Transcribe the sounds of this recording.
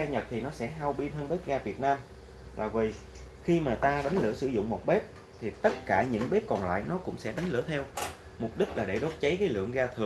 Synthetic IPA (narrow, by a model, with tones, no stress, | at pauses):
aː˧ɲə˨˩t̚t̪ʰi˨˩nɔ˨˦sɛ̰˧˥ɦa˧wɓi˧nh̪ʰəː˧nɓe˦˥p̚ɣaː˧vi˨˩ət̚naː˧m | la̰ː˨˩vi˨˩ | xi˧maː˨˩t̪aː˧ɗa˨˦jŋ̟lɨ̰˧˩əsɨ̰˧˥zʊ̰˧˨ŋ͡mmo˨˩t̚ɓe˦˥p̚ | t̪ʰi˨˩t̪ə˦˥t̚kaː˧˩ɲɨ̰˧˥ŋɓe˦˥p̚kɔ˨˩nla̰ː˧˨jnɔ˨˦kʊ̰˧˥ŋ͡msɛ̰˧˥ɗa˨˦ŋ̟lɨ̰˧˩ət̪ʰɛ˧w | mʊ˨˩p̚ɗï˦˥k̟̚laː˨˩ɗe˧˩ɗo˦˥t̚t͡ɕə˨˦jkaː˨˦jlɨ̰˧˨əŋɣaː˧t̪ʰɨ˨˩ə